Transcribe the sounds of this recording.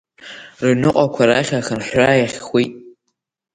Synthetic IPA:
rɨnɨqʼakʷʰaɾaχʲaxɨnħʷajaχʲxʷijtʼ

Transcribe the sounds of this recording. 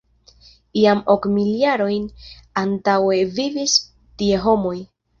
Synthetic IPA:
iamo̞kmiliaɾo̞jnantawe̞vivis | tie̞ɦo̞mo̞j

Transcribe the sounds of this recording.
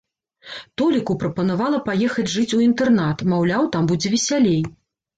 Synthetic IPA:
t̪ɔlʲikupɾɐpɐnavalˠɐpajɛxɐd͡zʲʐɨt͡sʲuint̪ɛrnat̪mawlʲawt̪ambud͡zʲɛvʲɛsʲalʲej

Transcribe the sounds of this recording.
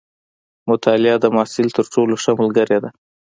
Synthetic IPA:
mʊt̪ʰɑlɪɑd̪əmɑːsɪlt̪əɾʈoloʃamʊlɡaɾjad̪a

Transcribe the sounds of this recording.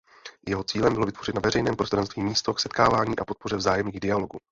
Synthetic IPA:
jɛɦo̞t͡siːlɛmbɪlo̞vɪt̪vo̞rɪt̪navɛrɛjnɛːmpɾo̞st̪ɾantst̪viːmiːst̪o̞ksɛt̪kaːvaːɲiːʔapo̞t̪̚po̞r̝ɛvzaːjɛmɲiːɣdɪalo̞ɡu

